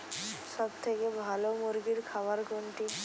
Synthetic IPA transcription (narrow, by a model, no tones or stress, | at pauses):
ʃɔbt̪ʰekebʱalomuɾɡiɾkʰabaɾɡoɳʈi